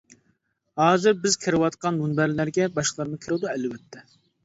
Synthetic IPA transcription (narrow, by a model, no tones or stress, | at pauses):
hɑːzɪɾbɪz̥kʲʰɪɾɨwɑt̪qɑnmunbæɾlæɾɡʲɛbɑʃqlˠɑɾmɨkʲʰɾɨd̪uɛlwɛt̪ʰːɛ